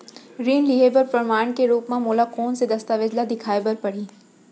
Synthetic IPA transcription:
ɾiːnliɦeːbəɾpɾɐmaːɳ̃keɾuːpmãmoːlakoːnsed̪ɐst̪aʋɪd͡ʒlad̪ɪkʰaːebɐɾpɐɽ̤iː

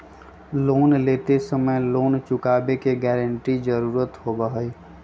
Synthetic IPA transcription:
loːnleːt̪esəməjloːnt͡ʃʊkaːbekeɡɛːɾəɳʈid͡ʒəɾuːɾət̪ɦobəɦəi

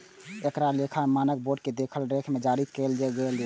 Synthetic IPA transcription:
ekɾalekʰamanək̚boɖked̪ekʰəlɾekʰmed͡ʒaɾikeld͡ʒɛɡeld͡ʒe

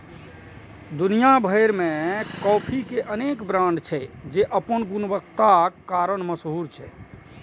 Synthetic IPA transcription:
d̪unijabʱəjɾmekɔpʰikeʔənekbɾãɳɖt͡ʃʰɛd͡ʒeʔəpənɡunbəkt̪akːaɾənməsɦuɾt͡ʃʰɛ

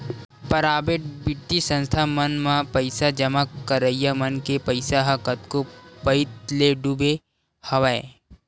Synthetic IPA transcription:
pəɾaːbeʈbɪʈ̪ːisə̃nst̪ʰamənmãpɐɪsad͡ʒɐmakəɾəijamənkepɐɪsaɦɐkət̪kopəɪt̪leɖube | hɐʋae

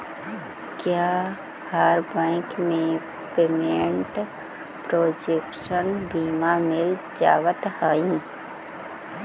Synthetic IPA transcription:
kjaː | haɾbə̃ɪkmẽ | peːmeɳʈ | pɾoːd͡ʒeːkʃənbʱiːmamɪl | d͡ʒaːwət̪həːĩ

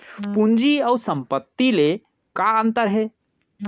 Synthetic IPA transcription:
pund͡ʒiəusə̃mpət̪ːile | kaənt̪əɾɦe

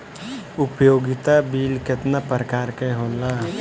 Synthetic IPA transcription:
ʊpjoːɡɪt̪abiːlkɪt̪napəɾəkaːɾkeɦoːla

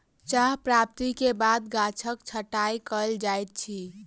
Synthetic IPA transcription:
t͡ʃaɦpɾap̚t̪ikebad̪ɡat͡ʃʰəkt͡ʃʰəʈajkəld͡ʒajt̪̚t͡ʃʰi

